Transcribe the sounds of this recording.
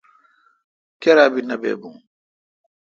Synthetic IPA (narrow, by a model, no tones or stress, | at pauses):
kɛɾaːbinabɛ̰ːbuŋ